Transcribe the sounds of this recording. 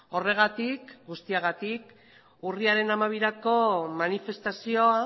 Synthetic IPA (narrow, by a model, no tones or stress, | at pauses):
o̞re̞ɣ̞at̪ikɡust̪iaɣat̪ik | uriaɾe̞namaβ̞iɾako̞manife̞st̪asio̞a